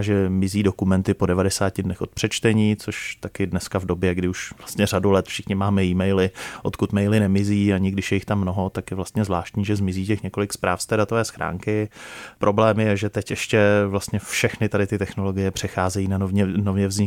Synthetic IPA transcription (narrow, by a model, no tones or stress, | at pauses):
ʒɛmɪziːdokumɛnt̪ɪpo̞dɛvadɛsaːcɪdnɛxo̞t̪̚pr̥ɛt͡ʃt̪ɛɲiːt͡so̞ʃt̪akɪdnɛskavdo̞bjɛɡdɪuʃvlast̪ɲɛr̝adulɛt̪fʃɪxɲɪmaːmɛiːmɛjlɪʔo̞̰t̪kut̪mɛjlɪnɛmɪziːaɲɪɡdɪʃjɛjɪxt̪amːno̞ɦo̞t̪akjɛvlast̪ɲɛzvlaːʃt̪ɲiːʒɛzmɪziːcɛxɲɛko̞lɪkspɾaːfst̪ɛːdat̪ovɛːsxɾʔa̰ːŋkɪpɾʔo̞blɛːmjɛʒɛt̪ɛcʔɛʃcɛvlast̪ɲɛfʃɛxnɪt̪adɪt̪ɪt̪ɛxno̞lo̞ɡɪjɛpr̝̥ɛxaːzɛjiːnaɲɛnovɲɛvzɲɪ